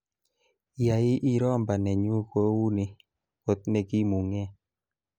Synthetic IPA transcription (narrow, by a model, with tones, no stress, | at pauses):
ja˨jɪ˦ʔi˦ɾɔ˦˨mba˨nɛ˨ɲu˦ko˦wu˦ni˨ | o˨t̪̚nɛ˦ɡi˦mu˨ŋɛ˦